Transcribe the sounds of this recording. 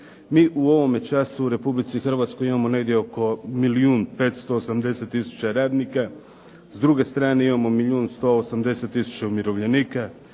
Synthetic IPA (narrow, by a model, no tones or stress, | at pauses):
miːʔuo̞ʋo̞me̞t͡ʃasuːɾe̞publit̪sixr̩ʋat̪sko̞jimamo̞ne̞ɡd̪jeo̞ko̞miliuːnpe̞t̪st̪o̞ːsamd̪e̞se̞t̪ːisu̥t͡ɕaɾaːd̪nika | zd̪ɾuɡe̞st̪ɾaːneimamo̞miʎʲuːnst̪o̞osamd̪e̞se̞t̪ːisu̥t͡ɕaumiɾo̞ʋʎe̞niːka